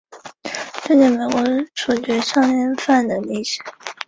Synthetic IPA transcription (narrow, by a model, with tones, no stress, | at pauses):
ʈ͡ʂə˥˧ni˥˩me˨˩ɪkwɔ˧˥ʈ͡ʂʰu˨˩t͡ɕɥɛ˧˥ʂɑ˥˧ŋjɛ˥˧nfa˥˩nd̪ə˩li˥˩ɕɛ̥˨˩˦